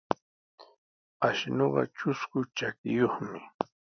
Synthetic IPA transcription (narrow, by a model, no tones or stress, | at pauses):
aʃnoɢɑ̰t͡ʃʊskʊt͡ʃakɪjoχmɪ